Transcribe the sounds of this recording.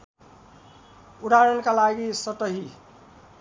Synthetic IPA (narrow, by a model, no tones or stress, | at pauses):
uɽʱaɾʌnkalaɡisʌʈʌɦi